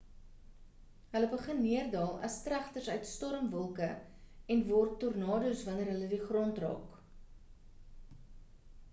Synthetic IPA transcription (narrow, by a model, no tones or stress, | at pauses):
ɦələbəχənmiərdɑːlˠɐ̰strɐχtərsœɥtstɔɾəmvɔlˠkə | ɛnvɔrtːɔrnɑːdusvɐnərɦələdiχrɔntrɑ̰ːk